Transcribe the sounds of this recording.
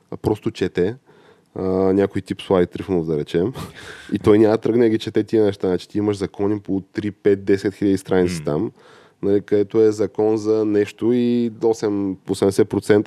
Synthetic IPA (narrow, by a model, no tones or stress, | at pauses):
pɾɔst̪ot͡ʃɛt̪ɛ | ənʲakojt̪ipslˠait̪ɾifnovd̪ɐɾɛt͡ʃɛmit̪ɔjnʲamɐt̪ɾɤɡnɛɡʲit͡ʃɛt̪ɛt̪iɛnɛʃt̪anat͡ʃɛ̥t̪iiməʃzɐkɔnipot̪ɾipɛt̪̚d̪ɛsɛt̪xiləd̪ist̪ɾʔanitsi̥t̪a̰m | nɐlikɐd̪ɛt̪oɛzɐkɔnzɐnɛʃt̪oiosɛmosɛmd̪ɛsɛt̪̚pɾot̪sɛnt̪ə